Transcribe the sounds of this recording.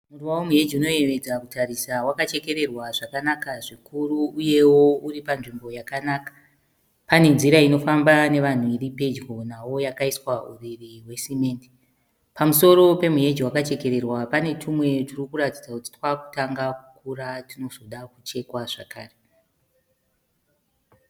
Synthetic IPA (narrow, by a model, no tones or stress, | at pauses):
muruwawomuɦe̞d͡ʒiuno̞e̞ʋe̞d͡zakutaɾisawakat͡ʃe̞ke̞ɾe̞rwaʐakanakaʐikuruːje̞wo̞uɾipanʐimbo̞jakanakḁ | pane̞nziɾaino̞fambane̞ʋan̤uiripe̞d͡ʒɡo̞nawo̞jakaiswauririwe̞simeːndi̥ | pamuso̞ɾo̞pe̞mue̞d͡ʒiwakat͡ʃe̞ke̞ɾe̞rwapane̞tʰumwe̞tirikuratid͡zakuti̥twaku̥taŋɡaukuɾatino̞zo̞ɗakut͡ʃe̞kwaʐa̰ka̰ːre